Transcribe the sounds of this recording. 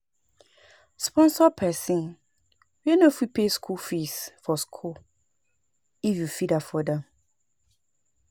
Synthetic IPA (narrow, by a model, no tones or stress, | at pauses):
spɔ̃nsɔpʰɛsĩn | wɛnofipʰeskʰulfisfɔskʰul | ifjufidafɔdɛ̃m